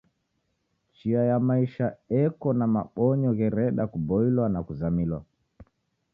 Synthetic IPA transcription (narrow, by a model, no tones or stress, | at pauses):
t͡ʃiajamaiʃaɛkɔnamaɓɔɲɔɣɛɾɛɗakuɓɔilwanakuzamilwa̰